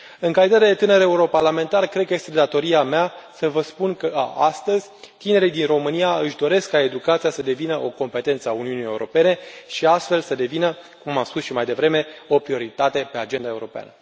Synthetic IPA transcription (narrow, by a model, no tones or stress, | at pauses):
ɨŋkalit̪at̪ed̪e̞t̪ɨnəɾe̞uɾo̞parlame̞nt̪arkɾe̞d̪̚kəje̞st̪ed̪at̪o̞ɾiameasəvəspunkə̰ast̪əzʲt̪ine̞ɾid̪inro̞mɨnijaɨʃd̪o̞ɾe̞skːae̞d̪ukat̪sijasəd̪e̞vinəʔo̞ko̞mpe̞t̪ent̪səauniunije̞uɾo̞̰pe̞ne̞ʃiast̪fe̞lsəd̪e̞vinəkumːamspusʃimajd̪e̞vɾe̞me̞o̞pɾio̞ɾit̪at̪e̞pe̞ad͡ʒe̞nd̪ae̞uɾo̞pea̰nə